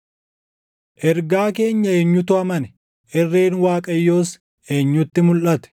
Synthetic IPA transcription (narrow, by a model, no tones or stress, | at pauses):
ʔɛɾɡaːke̞ːɲːɐeːɲːʊt̪ʊɐmɐnɛ | ʔɛrːe̞ːnwaːkʼɐjːo̞ːs | ʔeːɲːʊt̪ːɪmʊlʔɐt̪ɛ̥